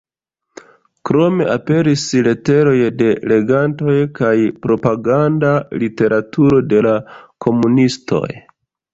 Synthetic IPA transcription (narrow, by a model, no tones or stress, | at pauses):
kɾo̞me̞ʔape̞ɾisle̞te̞ɾo̞jde̞le̞ɡanto̞jkajpɾo̞paɡandalite̞ɾʔatʰuɾo̞de̞lakʰo̞munistʰo̞̰j